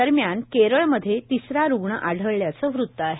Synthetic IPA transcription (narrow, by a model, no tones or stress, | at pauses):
əɾmjankeɾəɭməd̪ʱːjet̪isɾaɾuɡɳəʔaɽ̤ʱəɭːjat͡səːʋɾut̪ːəaɦe